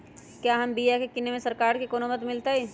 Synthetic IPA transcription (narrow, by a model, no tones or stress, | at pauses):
kjaɦɐmbijakekɪnemẽsəɾkaːɾkekoːnomət̪mɪlt̪aɦɛ